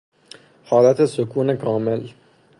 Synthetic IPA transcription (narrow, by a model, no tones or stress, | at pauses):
hɒːlat̪ʰesokʰuːnekʰɒːmel